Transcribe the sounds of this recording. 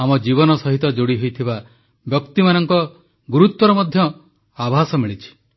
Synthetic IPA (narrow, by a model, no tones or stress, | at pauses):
amɔd͡ʒibɔnɔsɔɦit̪ɔd͡ʒoɽiɦojt̪ʰiba | bjɔkt̪imanɔŋkɔ | ɡuɾut̪wɔɾɔmɔd̪ʱjɔ | abʱasɔmiɭit͡ʃʰi̥